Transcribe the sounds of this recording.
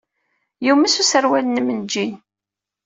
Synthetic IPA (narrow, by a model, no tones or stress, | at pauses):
jumæsusəɾwælnmənd͡ʒin